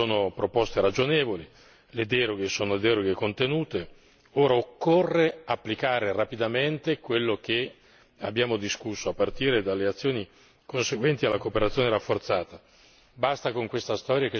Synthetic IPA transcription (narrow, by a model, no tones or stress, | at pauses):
soːnopɾopɔst̪eɾad͡ʒonɛːvoli | led̪ɛːɾoɡesoːnod̪ɛːɾoɡekont̪enuːt̪e | oːɾaokːorːeapːlikaːɾerapid̪ament̪ekwelːok̟e | abːjaːmod̪iskusːoapːart̪iːɾed̪alːeat̪sːjoːni | konseɡwɛnt̪ialːakoːpeɾat̪sːjoːneɾafːort̪saːt̪a | bast̪akoŋkwest̪ast̪ɔːɾjake